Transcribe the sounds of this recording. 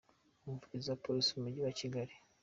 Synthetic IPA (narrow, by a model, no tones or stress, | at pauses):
umvuɟizapoɾisimumuɟiwaciɡaɾi